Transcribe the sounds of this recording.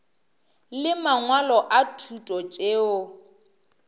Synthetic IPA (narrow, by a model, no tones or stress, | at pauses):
lɪmaŋwalɔʔatʰutʼɔt͡ʃʼeːʊ